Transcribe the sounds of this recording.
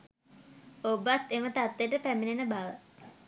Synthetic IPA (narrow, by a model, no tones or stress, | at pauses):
obat̪ːemət̪at̪ːeʈəpæminenəbaʋə